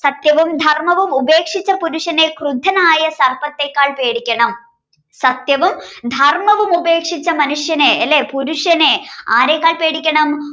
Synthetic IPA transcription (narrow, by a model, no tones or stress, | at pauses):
sɐt̪jɐʋumd̪ʱɐrmɐʋumubeːkʂit͡ɕːɐpuɾuʂjɐne̞krud̪ʱɐnaːjɐsɐrpɐt̪ːekːaːɭpeːɽikʲːɐɳɐm | sɐt̪jɐʋumd̪ʱɐrmɐʋumube̞ːkʂit͡ɕːɐmɐnuʂjɐneɐlːepuɾuʂɐnea̰ːɾekʲːaːɭpe̞ːɽikʲːɐɳɐm